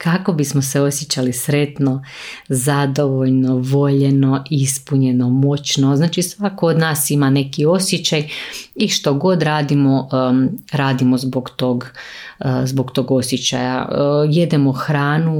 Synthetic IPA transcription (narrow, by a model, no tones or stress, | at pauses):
kako̞bismoseo̞sjet͡ɕalisɾet̪no̞ | zad̪oʋoʎno̞ʋo̞ʎe̞no̞ʔispuɲe̞nomo̞t͡ɕnoznaːt͡ʃisʋakood̪naːsimane̞kio̞sjet͡ɕajiʃt̪oɡo̞d̪ɾaːd̪imo̞ | ɾaːd̪imo̞zboɡt̪oɡ | zboɡt̪o̞ːɡo̞sjet͡ɕa̰ja̰je̞d̪emoxɾaːnu